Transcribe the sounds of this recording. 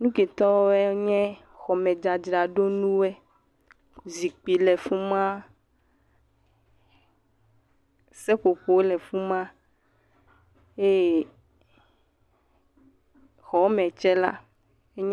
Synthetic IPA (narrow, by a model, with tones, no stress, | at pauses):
nũ˦ke˨t̪ɔ˦ɛ˦ɲɛ̃˦ | xɔ˨mɛ˨d͡ʒa˨d͡ʒɾa˨ɖo˦nũ˦wɛ˦ | zi˨k͡pi˨lɛ˨fu˦mã˦ | sɛ˦ɸo˨ɸo˨wlɛ˨fu˦mã˦ | e˦˨ | xɔ˨˦mɛ̃˨t͡ʃɛ˦la̰˦ | e˦ɲ